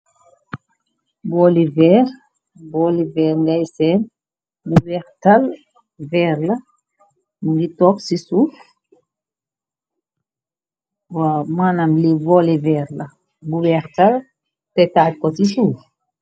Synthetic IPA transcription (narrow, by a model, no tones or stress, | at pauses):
bɔlivɛɾ | bɔlivɛːɾŋɡajsɛn | bubɛɾtal | vɛɾlɐ | muɡitɔksisuːf | wamanamlivɔlivɛɾla | buwɛɾtal | tɛtaːt̚kɔsisuːf